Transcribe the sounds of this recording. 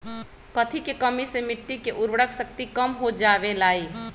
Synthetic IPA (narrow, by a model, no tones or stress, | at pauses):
kət̪ʰikekəmisemɪʈːikeʔuɾʋəɽəksək̚t̪ikəmɦod͡ʒabelaːi